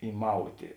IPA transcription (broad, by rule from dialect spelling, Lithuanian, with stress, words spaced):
iːˈmɐʊtʲeː